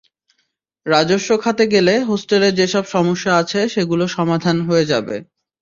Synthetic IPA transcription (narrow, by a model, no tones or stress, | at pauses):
ɾad͡ʑoʃːokʰat̪eɡeleɦosʈeleɾd͡ʑeʃɔbʃɔmoʃːaat͡ɕʰeʃeɡuloʃɔmad̪ʱanɦoed͡ʑabḛ